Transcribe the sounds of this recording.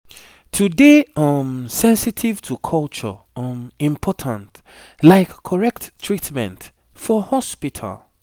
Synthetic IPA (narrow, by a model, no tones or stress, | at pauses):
tʰudeamsɛ̃nsitʰiv̥tʰukʰɔlt͡ʃɔ̰ | ɔmĩmpʰɔtʰə̃nt | laɪkʰːɔɹɛk̚tʰːɹitmɛ̰̃nt | fɔhɔspitʰa̰l